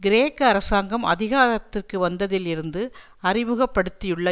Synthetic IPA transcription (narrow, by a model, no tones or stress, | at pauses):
ɡɪɾeːkːɐɐɾɐsaːŋɡɐmɐ̰ðɪɣaːðɐt̪ːɪrkɯʋɐnd̪ɐðɪlɪɾɯnd̪ɯ | ɐrɪmɯɣɐpːɐɽɯt̪ːɪjɯɭːɐ